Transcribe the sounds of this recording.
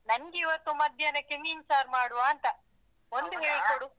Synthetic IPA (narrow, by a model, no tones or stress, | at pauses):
nɐŋɡːʋɐt̪ːumɐd̪ʱjɐnekemiːnsaːɾmaːɽuʋaːnt̪ɐ | ond̪uɦeːɭkoɽu